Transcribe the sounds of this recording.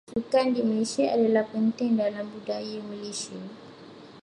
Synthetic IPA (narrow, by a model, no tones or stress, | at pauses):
sukandimiliʃea̰dalapɛntɛŋdalambudajamileʃie